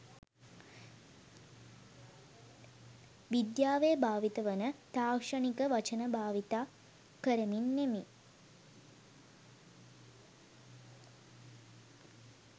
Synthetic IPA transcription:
ʋid̪jaːʋejəbʱaːʋit̪əʋənət̪aːkʂanikəʋat͡ʃənəbʱaːʋit̪aː | kəɾəminːemi

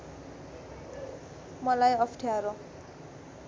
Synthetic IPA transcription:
mʌlajʌpʰʈʰjaɾo

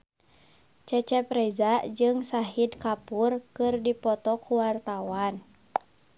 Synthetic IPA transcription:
t͡ʃɛt͡ʃɛpɾɛzad͡ʒɨŋsaɦidkapurkɨrdipɔt̪ɔkuwart̪awan

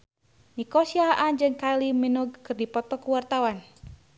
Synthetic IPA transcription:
nikɔsiaʔand͡ʒɨŋkaliminuɡ̚kɨrdipɔt̪ɔkuwart̪awan

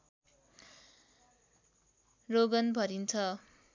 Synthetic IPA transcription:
roɡʌnbʱʌɾint͡sʰʌ

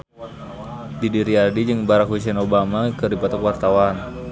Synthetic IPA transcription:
didiɾiadid͡ʒɨŋbaɾakwis̬ɛnobamakərdipat̪ɔkwart̪awan

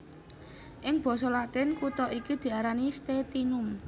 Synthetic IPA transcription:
ʔɪŋb̥ɔ̤sɔlat̪ɪnkut̪ɔʔikid̪̥i̤aɾanist̪et̪inʊm

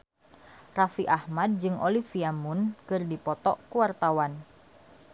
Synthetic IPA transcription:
rafiʔahmad̚d͡ʒɨŋʔolifiamʊnkɨrdipɔt̪ɔ̰ʔkuwart̪awan

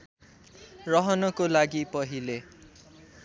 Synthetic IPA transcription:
rʌɦʌnʌkolaɡipʌɦile

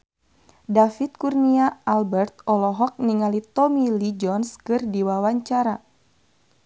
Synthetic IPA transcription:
dafit̪̚kurniaːlbɛrt̪̚ɔlɔɦɔk̚niŋalit̪ɔmilid͡ʒɔnskɨrdiwawaɲt͡ʃaɾa

